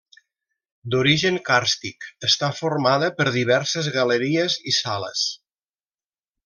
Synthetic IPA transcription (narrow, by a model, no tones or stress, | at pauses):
d̪uɾiʒəŋkaɾst̪ikəst̪afoɾmaðəpəɾðiβ̞ɛɾsəzɣələɾiəzisalə̰s